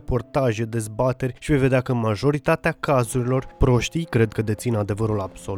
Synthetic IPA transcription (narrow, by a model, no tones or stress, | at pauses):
po̞rt̪aʒed̪e̞zbat̪e̞rʲʃivejve̞d̪eakəmaʒo̞ɾit̪at̪eakazuɾilo̞rpɾo̞ʃt̪ijkɾe̞d̪̚kəd̪e̞t̪sinad̪e̞vəɾulab̥so